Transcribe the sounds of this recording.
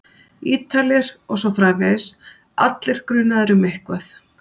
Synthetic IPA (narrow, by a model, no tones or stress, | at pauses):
iːt̪ʰalɪɾ̥ɔɣsɔfɾaːvɛðɪs | a̰t̪lɪɾ̥kɾʏnaðɛɾʏmehkvaθ